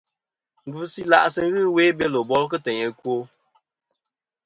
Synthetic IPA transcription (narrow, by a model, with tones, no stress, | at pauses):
ŋ̩˨ɡɨ˦si˦la̰˦ʔsɨ˦ŋ̩˦ɣɨ˦we˦bɛ˦lo˨bɔ˦lk̬ɨ˦tɛ˨ɲɛ˨kwo˦